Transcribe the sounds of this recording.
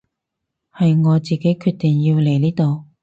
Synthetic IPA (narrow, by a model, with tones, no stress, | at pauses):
hɐ˨jŋɔː˨˧t͡siː˨ke˨˥jkʰyː˧t̪iː˨˩ŋji˧wle˨˩jliː˥t̪o˨w